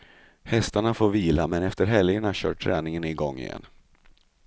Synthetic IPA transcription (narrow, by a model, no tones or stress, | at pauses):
hɛst̪aɳafoːɾviːlamɛnɛft̪əɾɦɛljəɳaɕœ̰ːʈʰːɾɛːnɪŋənɪɡɔŋːɪ̰jɛ̰nː